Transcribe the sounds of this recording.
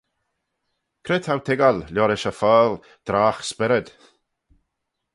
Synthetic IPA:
kʰɾɪt̪ʰawt̪ʰɪɡalljɔɾɪʃəfaːl | d̪̥ɾaːxspɪɾəd̪̥

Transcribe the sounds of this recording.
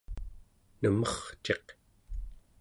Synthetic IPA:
nəmʌχt͡ʃe̞q

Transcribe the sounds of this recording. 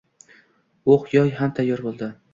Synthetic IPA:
oχjɒjɦamt̪ʰajːɒɾbolˠd̪ɪ

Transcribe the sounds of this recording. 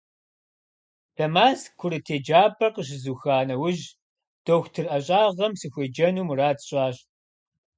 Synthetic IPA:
d̥ɐmaːskʷʰʊɾɨtʰeːd͡ʒaːpʰʼɐqəɕ̬ɪzuːxaːnɐwʊʒ | d̥oxʷtʰɨrʔɐɕʼaːʁɐmsɨxʷeːd͡ʒɐnuːmuraːtɕʼaːɕ

